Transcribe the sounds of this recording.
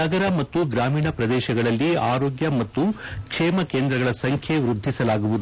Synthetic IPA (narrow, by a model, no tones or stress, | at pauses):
nɐɡɐɾɐmɐt̪ːuɡɾaːmiːɳɐpɾɐd̪ɛːʃɐɡɐɭɐlːiaːɾo̞ːɡjɐmɐt̪ːukʂeːmɐkeːnd̪ɾɐɡɐɭɐsɐŋkʰjeʋɾud̪ʱːisɐlaːɡuʋud̪u